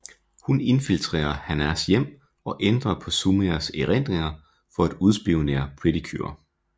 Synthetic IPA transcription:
hune̝nfilt͡sʰʁḛːɐhænæsjem̰ | ɒ̽ʔend̥ʁɐpʰɒ̽sumeɐseʁen̰d̥ʁeŋɐ | fɒ̽æd̥uð̞ˠsb̥iʊnḛɐpʰʁid̥ikʰy̰ɐ̰

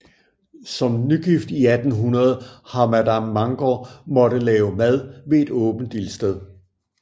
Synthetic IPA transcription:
sɒ̽mnyɡ̥ifd̥iæd̥n̩ɦunɐð̞ˠhɑ̈mæd̥æmːɑ̈ŋɡ̥ɒmɒ̽ɾ̥əlɛːʊmæð̞ˠʋe̝ːd̥ɔːb̥n̩d̥ilsd̥eð̞̰ˠ

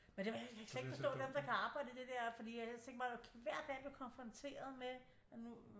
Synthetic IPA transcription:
mend̥eʋekʰsleɡ̥fɒsd̥ɔ̰ːd̥emd̥ɑ̈kʰæɑ̈ːb̥ɑ̈ɪ̰dəid̥e̝d̥ɛɐ̰fɒd̥ḭːjat͡sʰeŋɡ̥mɑ̈ɪokʰʋæɐ̰d̥ːɛ̰ːb̥likʰɒ̽nfʁɒ̽nt͡sʰe̝̰ːɐð̞ˠme | nu

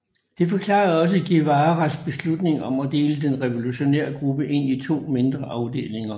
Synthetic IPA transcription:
d̥e̝fɒ̽kʰlɑ̰̈ːɐɒ̽s̬əɡ̥iʋɑ̈ːʁasb̥e̝slud̥ne̝ŋɒ̽mæd̥e̝ːləd̥enʁɛʋo̝luɕo̝neɐ̰ɡ̥ʁub̥əʔe̝n̰it͡sʰo̝̰ːme̝nd̥ʁɐʔɑ̈ʊd̥e̝̰ːle̝ŋɐ

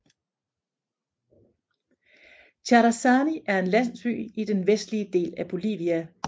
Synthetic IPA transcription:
t͡ɕʰɑɾæsɑːniʔæɐe̝nlæn̰sy̰ːid̥enʋesd̥liəd̥e̝̰ːlæb̥o̝lḭːʋiæ

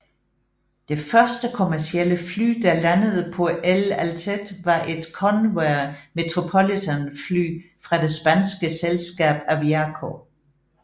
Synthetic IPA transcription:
d̥e̝fɶɐsd̥əkʰo̝mæɐsieləfly̰ːd̥ɑ̈lænəð̞̩ˠəpʰɒ̽ʔelælt͡sʰed̥ʋɑ̈ʔe̝d̥kʰɒnweɐme̝t͡sʰʁo̝pʰolit͡sʰænfly̰ː | fʁɑ̈d̥e̝sb̥ænsɡ̥əselsɡ̥ɛ̰ːb̥æʋiækʰo

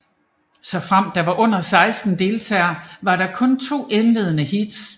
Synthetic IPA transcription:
sɒ̽fʁam̰d̥ɑ̈ʋɑ̈ʔɔ̽n̰ɐsɑ̈ɪsd̥n̩d̥e̝ːlt͡sʰɛ̰ːɐʋɑ̈ɾɑ̈kʰɔ̽nt͡sʰo̝̰ːʔenle̝ːð̞ˠnəhid̥s

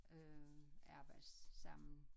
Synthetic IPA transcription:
øɑ̈ɐb̥ɑ̈ɪd̥sːɑ̈m̰n̩

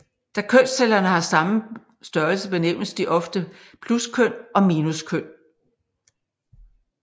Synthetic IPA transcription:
d̥ækʰøn̰selɐnəhɑ̈sɑ̈mə | sd̥ɶɐlsəb̥e̝neʊ̰sd̥iʔɒ̽fd̥ə | pʰluskʰøn̰ɒ̽miːnuskʰøn̰

